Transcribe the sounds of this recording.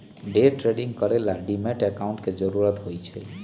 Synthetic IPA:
ɖeʈɾeɖiŋkɔɾelaɖimeʈɛkawɳʈked͡ʒɔɾuɾɔt̪ɦojt͡ʃʰe

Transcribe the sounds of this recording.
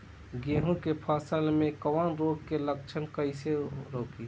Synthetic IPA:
ɡeɦũkepʰasəlmẽkəʋənɾoɡ̚kelək̚t͡ʃʰənkəɪseɾoːki

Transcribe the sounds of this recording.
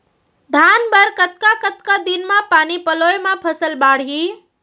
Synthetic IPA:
d̪ʱaːnbəɾkət̪kakət̪kad̪inmãpaːnipəlojmãpʰəsəlbaːɽ̤i

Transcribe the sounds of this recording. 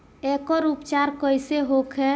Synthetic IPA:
ekɔɾupt͡ʃaɾkəjseɦokʰɛ

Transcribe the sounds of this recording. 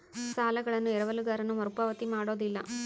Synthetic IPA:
saːlɐɣɐɭɐnːɯɛɾɐʋɐlɯɡaːɾɐnɐmɐɾɯpɐːʋɐt̪ːimaːɽoːðɪlːɐ̰

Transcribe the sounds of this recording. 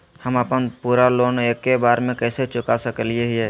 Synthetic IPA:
həməpənpuːɾaloːneːkːebaːɾmẽkɛːset͡ʃʊkasəkəlieɦiɦɛː

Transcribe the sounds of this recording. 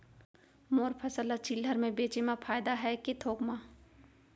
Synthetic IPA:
moːɾpʰɐsəlːat͡ʃilːəɾmẽbeːt͡ʃemãpʰaːjd̪aɦɛket̪ʰoːkmã

